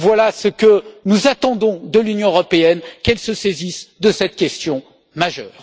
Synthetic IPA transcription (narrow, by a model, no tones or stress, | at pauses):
vwalasəkənuzat̪ɑ̃d̪ɔ̃d̪əlynjɔ̃əʁɔpeɛnkɛlsəsezisd̪əsɛt̪kʲɛst̪jɔ̃ | maʒœːʁ